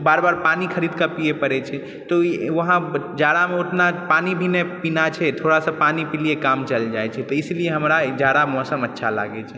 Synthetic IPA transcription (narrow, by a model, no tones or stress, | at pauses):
baːɾbaɾpanikʰəɾid̪̚kəpiepəɾɛt͡ʃʰɛ | t̪ɔʋəɦãd͡ʒaɾameoʈnapanibʱinepinat͡ʃʰɛt̪ʰoɽasə̃panipilijekamt͡ʃəld͡ʒajt͡ʃʰɛt̪ɔislieɦəmɾad͡ʒjad̪amɔsəmətːʃʰala̰ɡɛt͡ʃʰɛ